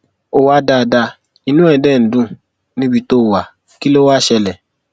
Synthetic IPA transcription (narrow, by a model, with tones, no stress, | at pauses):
o˨wa˧˦da˧˨da˧ | i˧˨nũ˦ɛ˧˨dɛ˦˨n̩˨dũ˦ | nĩ˦bi˧˦to˦˨wa˨ | ki˦lo˦wa˦˨ʃɛ˧lɛ˨